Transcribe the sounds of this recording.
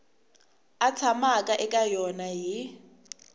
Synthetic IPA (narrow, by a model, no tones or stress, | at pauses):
at͡sʰamakʼaʔɛkʼajɔnajɪ